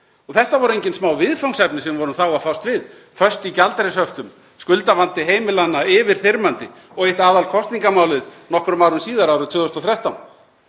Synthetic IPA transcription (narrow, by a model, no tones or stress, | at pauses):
ɔɣθɛht̪avɔɾʏejɲcɪnsmaːwvɪðfawŋsɛpnɪsɛmvɔɾʏmθawafawst̪vɪð | fœ̥st̪icalt̪ɛɾɪshœft̪ʏm | skʏlt̪avant̪ɪɦeːjmɪlanːaɪvɪɾ̥θɪɾmant̪ɪ | ɔɣejht̪aːðalkʰɔst̪niŋkamaːwlɪðnɔhkɾʏmawɾʏmsiːðaɾaːwɾʏt̪ʰvʏːðʏst̪ɔθɾjɛht̪awn